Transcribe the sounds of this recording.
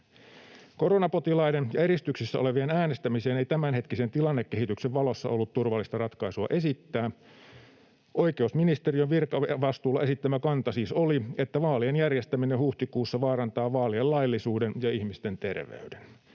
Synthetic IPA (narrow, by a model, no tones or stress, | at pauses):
ko̞ronɑpo̞t̪ilɑidenjɑeɾist̪yksisːæ̰ʔo̞le̞ʋienæːnest̪æmise̞ːne̞it̪æmænɦe̞t̪kise̞nt̪ilɑnːekːe̞hit̪ykseʋʋɑlo̞sːɑ̰ʔo̞lːut̪t̪urʋɑlːist̪ɑrɑt̪kɑisuɑ̰ʔe̞sit̪ːæː | ʔo̞ike̞usminist̪erioʋʋirkɑʋɑst̪uːlːɑesit̪ːæmækɑnt̪ɑsiːsolie̞t̪ːæʋɑːlienjærjest̪æminenhuht̪ikuːsːɑʋɑːɾɑnt̪ɑːʋɑːliellɑilːisuːdenjɑihmist̪e̞nt̪e̞̰rʋḛyden